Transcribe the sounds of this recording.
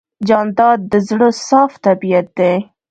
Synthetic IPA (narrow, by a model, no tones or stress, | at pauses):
d͡ʒɑnd̪ɑd̪ːəzɽəsɑft̪abijat̪̚d̪e